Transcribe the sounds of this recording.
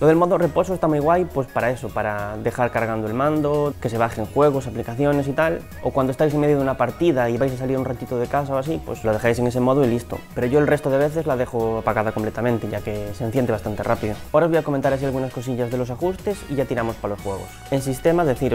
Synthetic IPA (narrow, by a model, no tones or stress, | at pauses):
loðelmoðore̞po̞soest̪amujɣwajpwe̞spaɾae̞sopaɾaðe̞xaɾkaɾɣand̪oelmãnd̪oke̞se̞βaxeŋxweɣ̞osaplikaθjo̞ne̞sit̪al | o̰kwand̪oest̪ajs̬eŋme̞ðjoðunapaɾt̪iðaiβajsasaliɾunrat̪it̪oð̞ekas̬aoasipwḛsloð̞exajs̬e̞ŋesemoð̞oilist̪o̰peɾoʝoelre̞st̪oðeβ̞eθe̞zlaðexoapaɣaðakomplet̪amẽnt̪eʝakesenθjent̪east̪ant̪erʔapiðooɾaozβojakomẽnt̪aɾas̬ialɣunasko̞s̬iʎazðelo̞s̬axust̪e̞sḭʝat̪iɾamospalo̞sfweɣ̞o̰sensist̪emaðeθiɾ